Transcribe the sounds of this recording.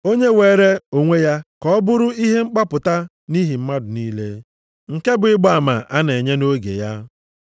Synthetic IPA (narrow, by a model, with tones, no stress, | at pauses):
o˦ɲe˦weː˨ɾe˦o˨ŋʷe˦ja˦kɔ˦bʊ˦ɾʊ˦i˦ɦe˦ŋ͡m̩˦k͡pa˦pʊ˨ta˦ | ni˦ɦi˨m̩˦ma˦dʊ˨niː˦le˦ | ŋ̩˨ke˦bʊ˨ɪ˦ɡ͡ba˨ma̰˨ʔa˦ne˨ɲe˦no˦ɡḛ˨ja˦